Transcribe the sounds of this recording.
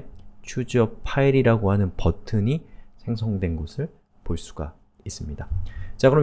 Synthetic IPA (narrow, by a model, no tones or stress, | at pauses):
t͡ɕʰud͡ʑiʌpʰaiɾiɾaɡoɦhanɯnpʌtʰɯɲisʰe̞ŋsʰʌŋdwe̞nɡosʰɯɭ | poɭs͈u̥ɡa̰ | is͈ɯmɲidat͡ɕakɯɾʌm